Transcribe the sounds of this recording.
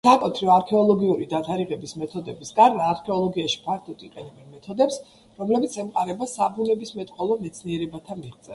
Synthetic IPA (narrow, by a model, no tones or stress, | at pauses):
sakʼɔt̪ʰɾiɔaɾkʰɛɔlˠɔɡiuɾid̪at̪ʰaɾiʁɛbismɛt̪ʰɔd̪ɛbisɡʼaɾmaːɾkʰɛɔlˠɔɡiaʃi̥pʰaɾt̪ʰut̪ʼiqʼɛnɛbɛnmɛt̪ʰɔd̪ɛps | ɾɔmlɛbit̪sʰɛmqʼaɾɛbasabulɛbismɛt̪ʼqʼɔlˠɔmɛt̪sʰniɛɾɛbat̪ʰamiʁt̪sʼɛ̰